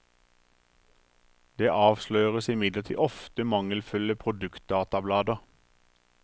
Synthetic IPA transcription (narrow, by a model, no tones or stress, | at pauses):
d̪̥eːʔɑːʋʃløːʁəsɪmɪd̪ləʁt̪ʰḭːʔɔft̪əmɑŋəlfʉləpʰʁʊd̪ʉkt̪̚d̪ɑːt̪ɑblɑːd̪əʁ